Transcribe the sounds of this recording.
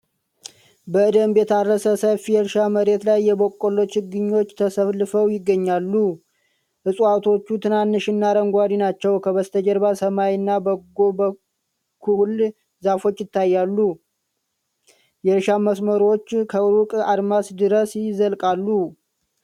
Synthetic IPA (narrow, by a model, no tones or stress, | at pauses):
bəɨd̪əmbet̪arːəsəsəfijɛɾʃaməɾe̞t̪lajːɛbo̞kʼːolo̞t͡ʃhɨɡːɨɲːo̞t͡ʃːt̪ʰəsəβlːɨfəwjɪɡːəɲːalːu | ʔɨsʼat̪ʰo̞t͡ʃːut̪ʰɨnanːɨʃɪnːaɾəŋɡʷad̪inat͡ʃːɛwkʰəbəst̪ʰəd͡ʒəɾbasəmajnːabəɡobə | kʰul | zafo̞t͡ʃːjɪt̪ːajːalːu | jɛɾʃaməsməɾo̞t͡ʃːkʰəɨɾukʼad̪masd̪ɨɾəsjzəlkʼalːu